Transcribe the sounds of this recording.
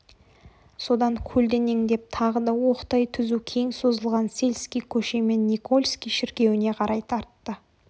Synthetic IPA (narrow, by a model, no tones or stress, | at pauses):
so̞d̪ɑŋkʲʰɵld̪e̞ne̞ŋd̪e̞p̚t̪ʰɑʁəd̪ɑwo̞qt̪ɑjt̪ʰʏzukʲʰe̞ŋso̞zəlˠʁɑnse̞lʲskʲijkʲʰɵʃe̞me̞nːiko̞lʲˠskʲijʃɪɾkʲe̞wɪne̞qʰɑɾʔɑjt̪ʰɑɾt̪ːə